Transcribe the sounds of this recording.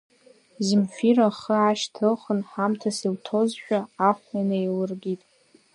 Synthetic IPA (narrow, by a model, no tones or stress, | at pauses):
zimfiraχəʕaʃtʰɨχənħamtʰasiltʰozʃᶣaaχʷmanajlɨrɡʲitʼ